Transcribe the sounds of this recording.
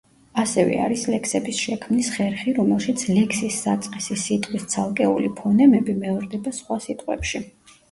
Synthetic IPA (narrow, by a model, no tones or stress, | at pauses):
asɛvɛ̰a̰ɾislɛkʰsɛbisʃɛkʰmnisχɛɾχiɾɔmɛlˠʃit̪sʰlɛkʰsisːat̪sʼqʼisisit̪ʼqʼwist̪sʰalˠkʼɛṵlipʰɔnɛmɛbimɛvɾd̪ɛbasχwasit̪ʼqʼwɛ̰pʃi